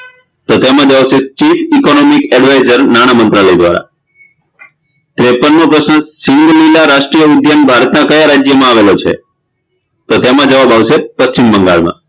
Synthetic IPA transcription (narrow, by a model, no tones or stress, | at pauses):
t̪ot̪emãd͡ʒaʋʃet͡ʃifikonomikɛɖʋaizəɾnañamənt̪ɾaləjd̪ʋa̰ɾa̰ | t̪ɾepənːopɾəsnəsiŋɡəlilaɾaʃʈɾijəud̪ʱjənbʱaɾət̪nakəjaɾad͡ʒjəmãaʋelot͡ʃʰḛ | t̪ot̪emãd͡ʒəʋabaʋʃepəʃt͡ʃimbəŋɡa̰ɭmã̰